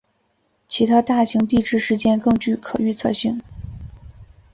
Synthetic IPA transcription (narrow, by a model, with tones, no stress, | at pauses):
t͡ɕʰi˧˥t̪ʰa˥t̪a˥˩ɕi˧˥ŋt̪̬i˥˧ʈ͡ʂɻ̩˥˧ʂɻ̩˥˧t͡ɕjɛ˥˧nkɤ˥˧ŋt͡ɕy˥˩kʰɤ˨˩y˥˧t͡sʰɤ̰˥˧ɕy˥˩n